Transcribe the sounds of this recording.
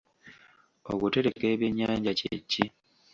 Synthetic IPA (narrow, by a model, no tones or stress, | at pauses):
o̞̰kute̞ɾe̞ke̞ːβje̞ɲːaːɲɟacḛcːi